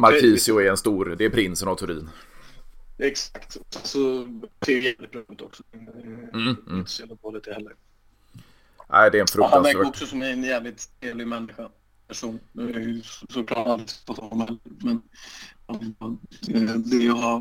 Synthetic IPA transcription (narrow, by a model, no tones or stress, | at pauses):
maɾkʰiːsɪʊɛɾɛnst̪uːɾd̪ɛːɾpʰɾɪnsənɔt̪ʰɵɾḭːn | ɛksakt̪ɔsɛsɔt̪ʰɪɡɛlɪt̪̚bɾɑːʉːt̪ɔksɔd̪ | ɪnə̥selɪt̪ɔlɛt̪ʰəhɛlːəɾ | ʔæ̰ɪd̪ɛɛnfɾɵthavæɾk̪ɔksɔsɔmɛnjæːvlɪt̪eːvlɪɡmɛnːɪɧa | pʰæʂuːn | sɔklɑ̰ʈalɾɪt̪t̪at̪hanɔmhɛlːəɾmɛnhan | d̪ɛjɑɦa